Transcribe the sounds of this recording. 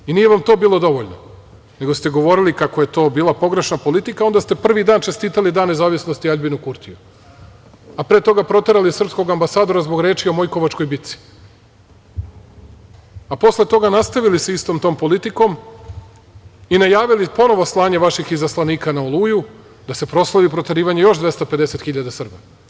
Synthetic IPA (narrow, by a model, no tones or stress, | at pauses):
iniːjeʋamt̪o̞ːbiːlˠo̞d̪o̞ʋo̞ʎno̰ | ne̞ɡo̞st̪e̞ɡo̞ʋo̞ɾilikakojet̪o̞ːbiːlˠapo̞ɡɾe̞ʃnapo̞lit̪ikao̞nd̪ast̪e̞pr̩ʋid̪aːnt͡ʃe̞st̪iːt̪alid̪aːnːezaːʋisnost̪iaʎbinukuɾt̪iju | apɾeːt̪o̞ɡapɾo̞t̪eɾalisr̩psko̞ɡambasaːd̪o̞ɾazbo̞ɡɾeːt͡ʃio̞mo̞jko̞ʋat͡ʃko̞jbit̪si̥ | apo̞sle̞t̪o̞ɡanast̪aʋiliseist̪o̞mt̪o̞ːmpo̞lit̪iko̞m | inajaːʋilipo̞no̞ʋo̞slˠaːɲe̞ʋaʃixizaslaniːkanaolˠuːju | d̪ase̞pɾo̞slˠaʋipɾo̞t̪eɾiːʋaɲe̞jo̞ʃd̪ʋe̞st̪ape̞d̪e̞se̞t̪xiʎad̪asr̩ba